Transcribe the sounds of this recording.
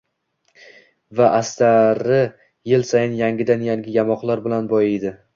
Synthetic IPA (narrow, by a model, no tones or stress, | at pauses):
vaʔast̪ʰaɾɪ | jɪlsajɪnjaŋɡʲɪd̪anjaŋɡʲɪjamɒqlˠaɾbɪlanbɒjed̪ɪ